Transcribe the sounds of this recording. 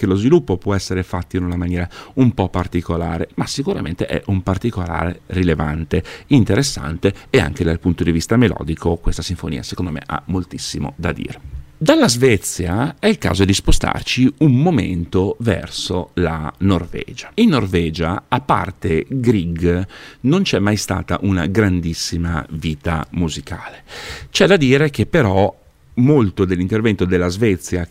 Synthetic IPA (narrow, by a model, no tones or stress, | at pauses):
kelozvilupːopwɔɛsːeɾefat̪ːoinunamanjɛːɾaumpɔpːart̪ikolaːɾemasikuɾa̰ment̪eʔɛ̰ʔumpart̪ikola̰ːɾḛrilevant̪eint̪eɾesːa̰nt̪eea̰ŋked̪alpunt̪od̪ivist̪amelɔ̰ːd̪ikokwest̪asiɱfonḭːasekond̪omḛʔa̰mːolt̪isːimo̰d̪a̰d̪ḭːɾed̪alːazvɛt̪sːjaɛilka̰ːzod̪ispost̪a̰rt͡ʃiummomḛnt̪ovɛ̰rsola̰norvɛ̰ːd͡ʒḁinːorvɛːd͡ʒa̰apːa̰rt̪eɡɾiɡnont͡ʃɛmːajst̪a̰ːt̪a̰ʔuna̰ɡɾand̪isːima̰viːt̪a̰muzikaːlet͡ʃɛd̪ad̪iːɾekepːeɾɔ | molt̪od̪elːint̪ervɛnt̪od̪elːazvɛt̪sːja